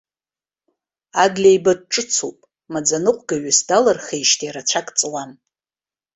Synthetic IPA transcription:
aɡlʲajbad̚ʈ͡ʂʼɨt͡sʰopʼ | mad͡zanɨqʷʼɡaɥɪsdalarχejʃtʰʼiaɾat͡ʃʷʰakʼt͡sʼɨwan

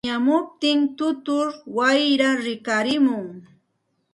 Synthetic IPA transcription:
amʊp̚t̪ɪnt̪ʊt̪ʊɾwajɾaɾɪkaɾɪmʊŋ

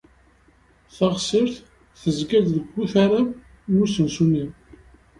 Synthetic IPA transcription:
θəʁsəɾθ | θəzɡæd̪ðəɡʷːuθaɾab | nusənsunim

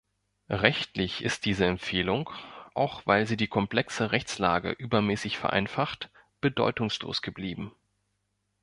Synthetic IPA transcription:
ʁɛçtlɪçɪst̚d̥iːzəɛmfeːlʊŋkʔa̰ʊxv̥aɪlziːdiːkʰɔmpl̥ɛksəʁɛçt͡sla̰ːɡə̰ʔyːbɐmɛːsɪçfɛɐʔa̰ɪnfaχt | b̥ədɔ̰ʏtʊŋslo̰ːsɡ̥əbliːbm̩

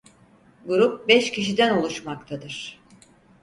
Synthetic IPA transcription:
ɡuɾup̚bɛʃcʰiʃid̪ænolˠuʃmakt̪ʰad̪ɯɾ̥

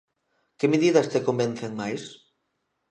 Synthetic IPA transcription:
kemeðiðɐst̪ekomben̟θeŋmajs

